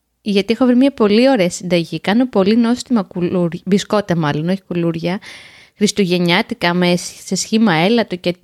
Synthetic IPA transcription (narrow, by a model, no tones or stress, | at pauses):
ʝɐt̪ie̞xo̞vɾimɲɐpo̞lio̞ɾe̞ɐsind̪ɐʝikɐno̞po̞lino̞st̪imɐkuluɾbisko̞t̪emɐlo̞no̞çi̥kuluɾʝɐ | xɾist̪uʝe̞ɲɐt̪ikɐmessesçimɐe̞lɐt̪oce